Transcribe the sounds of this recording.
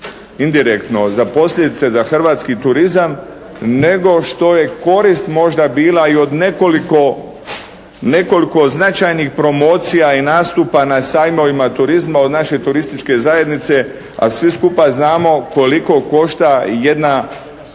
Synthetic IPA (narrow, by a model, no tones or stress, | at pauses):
ind̪iɾekt̪no̞zapo̞sʎʲe̞d̪it̪se̞zaxr̩ʋaːt̪skit̪uɾizam | ne̞ɡo̞ʃt̪o̞je̞ko̞ɾist̪mo̞ʒd̪abiːlaio̞d̪nekoliko | ne̞ko̞liko̞znat͡ʃajnixpɾo̞mo̞ːt̪sijainaːst̪upanasaːjmo̞ʋimat̪uɾizmao̞d̪naʃe̞t̪uɾist̪it͡ʃke̞zaje̞d̪nit̪se̞ | a̰sʋiskupaznaːmo̞ko̞liko̞ko̞ʃt̪aje̞d̪na